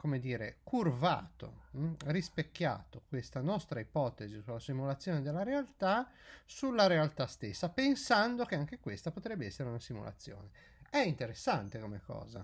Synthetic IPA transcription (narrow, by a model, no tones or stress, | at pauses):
komed̪iːɾekʰurva̰ːt̪o̰rispekːja̰ːt̪okwest̪anɔst̪ɾaipɔt̪ezisulːasimulat̪sːjɔːned̪elːaɾealt̪asulːaɾealt̪ast̪esːapensand̪okeaŋk̟ekwest̪apot̪ɾɛbːeɛsːeɾeunasimṵlʔa̰t̪sːjɔ̰ːne | ɛint̪eɾesːant̪ekomekːɔ̰ːza̰